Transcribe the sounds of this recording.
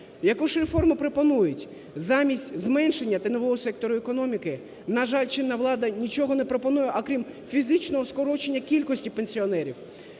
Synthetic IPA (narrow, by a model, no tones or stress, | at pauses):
jɐkuʒrefɔrmɪpɾopɔnujʊtʲ | zɑmʲisʲtʲzmɛnʃe̞nʲːɐt̪ɐnɔʋɔɦɔsɛk̚t̪ɔɾʊekɔnɔmʲikɪ | nɐʒɑlʲt͡ʃɪnːɐʋlˠɑd̪ɐnʲit͡ʃɔɦɔnepɾopɔnujɛʔɐkɾʲimfʲizɪt͡ʃnɔɦɔskɔɾɔt͡ʃenʲːɐkʲilʲkɔsʲtʲipe̞nʲsʲiɔnɛɾʲiw